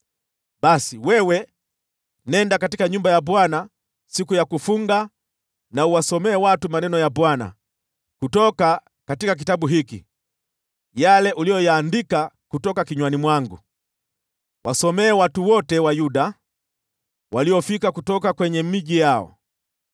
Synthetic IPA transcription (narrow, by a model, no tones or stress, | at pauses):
ɓasiwɛwɛ | nɛndakatikaɲumbajaɓwana | sikujakufuŋɡa | nauwasɔmɛːwatumanɛnɔjabwana̰ | kutɔka | katikak̬itaɓuɦikḭ | jalɛʔulijɔjaːndikakutɔkakiɲwanimwaŋɡu | wʔasɔmɛːwatuwɔtɛwajuɗa | wʔaliɔfikakutɔkakwɛɲɛmiʄijaɔ̰